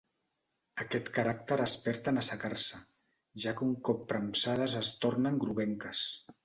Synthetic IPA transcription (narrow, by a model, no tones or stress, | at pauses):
əkɛt̪kəɾak̚t̪əɾəspɛɾt̪ənəsəkarsə | ʒakəuŋkɔpːɾəmsað̞əzəst̪ornəŋɡɾuβɛŋkəs